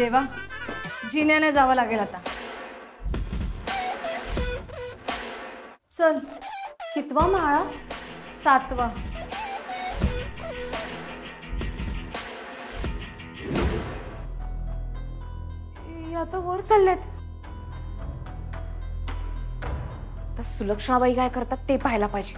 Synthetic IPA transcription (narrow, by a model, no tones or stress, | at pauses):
eʋa | d͡ʑinjaned͡zaʋalaɡelat̪a | t͡səlkit̪ʋamaɭa | sat̪ʋa | jat̪əʋəɾt͡səlːet̪ | t̪əɾsuləkʂəɭãʋaikajkəɾt̪at̪ːepaɦjlapajd͡ʑe